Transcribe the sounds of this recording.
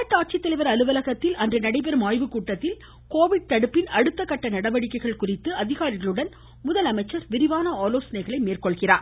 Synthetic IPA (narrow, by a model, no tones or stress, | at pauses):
ɐʈːaːʈ̚t͡ʃɪt̪ːɐlɐɪʋɐɾɐlɯʋɐlɐɣɐt̪ːɪlʔɐndrɯnɐɽɐɪp̬ɛɾɯmaːjʋɯkuːʈːɐt̪ːɪl | koːʋɪɽ̚t̪ɐɽɯpːɪnɐɽɯt̪ːɐkːɐʈːɐnɐɽɐʋɐɽɪkːɐɪɣɐɭkʊrɪt̪ːɯɐðɪɣaːɾɪɣɐɭɯɽɐn | mʊðɐlɐmɐɪt͡ʃːɐɾʋɪɾɪʋaːnɐaːloːsɐnɐɪɣɐɭɐɪmeːrkɔɭɣɪraːɾ